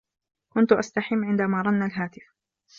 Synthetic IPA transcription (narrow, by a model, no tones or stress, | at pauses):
kʊnt̪ʊʔast̪aħɪmːʕɪnd̪amaːɾˤɑnːalɦaːt̪ɪf